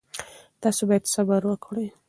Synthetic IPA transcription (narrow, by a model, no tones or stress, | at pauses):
t̪ɑsobɑjad̪xabaɾwəkʰɽi